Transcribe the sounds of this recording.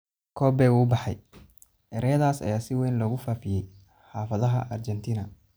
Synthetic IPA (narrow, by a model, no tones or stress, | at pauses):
kʰɔːbɛːɣuːbɑħɑ̰j | ʔɛɾɐjɐðaːsɐ̰jaːsɪwɛjnlɔːɣʊfaːfɪjɛj | ħaːfɐðɐɦɐ̰ʔɐrt͡ʃɛnt̪ʰiːnɐ